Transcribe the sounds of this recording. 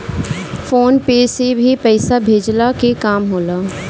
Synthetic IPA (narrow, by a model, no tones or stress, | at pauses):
foːnpeːsebʱipɛɪsabʱeːd͡ʒlakekaːmɦoːlaː